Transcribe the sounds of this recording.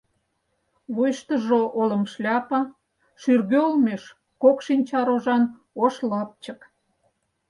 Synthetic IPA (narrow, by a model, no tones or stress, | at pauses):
βujʃt̪əʒoʔolə̆mʃlʲɑpə̆ | ʃyrɣøolmeʃ | kokʃinʲt͡ɕɑɾoʒɑn | oʃlɑp̚t͡ɕək